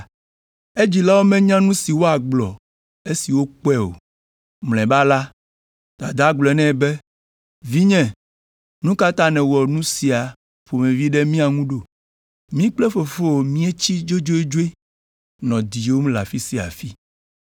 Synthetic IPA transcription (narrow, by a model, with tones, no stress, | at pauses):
e˦d͡ʑi˨la˦wo˦mɛ̃˦ɲã˦nũ˦si˨wo˦a˨ɡ͡blɔ˨ | e˦si˨wo˦k͡pɛ˦o̰˨ | ml̃ɛ̃˨ba˦la˦ | d̪̥a˨d̪a˦ɡ͡blɔ˨ɛ˨˦nɛ̃˦˨be˦ | vi˦ɲɛ̃˨ | nũ˦ka˦t̪a˦nɛ̃˨wɔ˨nũ˦si˨a˨ | fo˨mẽ˨vi˦ɖɛ˦mĩ˦a˨ŋũ˦ɖo˨ | mĩ˦k͡plɛ˦fo˨fo˦o˨mĩ˦e˦t͡ɕi˦d͡ʒo˦d͡ʒo˦e˦d͡ʒo˦e˦ | nɔ̃˨d̪i˨o˦m˦la̰˨fi˦si˨a̰˨fi˦